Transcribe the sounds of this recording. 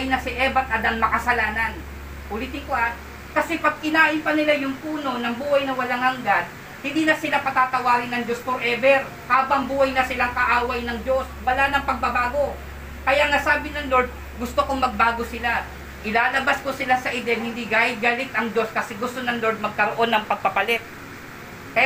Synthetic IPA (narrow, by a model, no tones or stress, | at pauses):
jnɐsɪʔɛːbɐt̪̚ʔɐd̪ɐŋmɐkɐsɐlaːnɐn | ʔʊlit̪ɪŋkoʔat̪ | kɐsɛpɐɡ̚kɪlaːʔɪnpɐnɪlajʊŋpuːno̞nɐŋbuːhɐjnɐwɐlaŋhɐŋɡad̪̚ | hɪnd̪iːnɐsɪlapɐt̪at̪ɐwaːɡɪnːɐŋd͡ʒo̞spoɾʔɛːbɛɾ | haːbɐŋbuːhajnɐsɪlaŋkɐʔaːwɐjnɐŋd͡ʒo̞swɐlanɐŋpɐɡ̚pɐbaːɡo̞ | kɐjaŋasaːbɪnɐŋlo̞ɹd̪̚ | ɡʊst̪okoŋmɐɡ̚baːɡo̞sɪla | ʔɪlaːlɐbaskosɪlasɐʔɪd̪ɛlhɪnd̪iɡaːhɪt̪̚ɡɐlɪt̪ʔɐŋd͡ʒo̞skɐsɛɡʊst̪onɐŋlo̞ɹd̪̚mɐɡ̚kɐɾoʔo̞nːɐŋpɐɡ̚pɐpɐlɛt̪̚ | k